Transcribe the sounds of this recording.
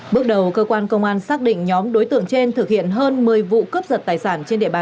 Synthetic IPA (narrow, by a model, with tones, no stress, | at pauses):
ɓɨ˦˥ək̚ɗə˨˩wkəː˧kwaː˧nkə˧wŋ͡mʔaː˧nsaː˦˥k̚ɗḭ̈˧˨ŋ̟ɲɔ˨˦mɗo˨˦jt̪ɨ̰˧˨əŋt͡ɕe˧nt̪ʰɨ˨˩k̚hḭ˧˨ənɦəː˧nmɨ˨˩əjvṵ˧˨kəː˦˥p̚zə˨˩t̚t̪aː˨˩jsaː˧˩nt͡ɕe˧nɗḭ˧˨əɓaː˨˩